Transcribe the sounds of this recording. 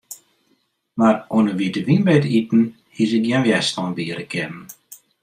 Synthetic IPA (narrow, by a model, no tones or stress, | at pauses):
maronəʋiətəʋinbɛətitn̩ | hisɪk̚jɛnʋjɛstɔnbiəɾəkʰɛnən̩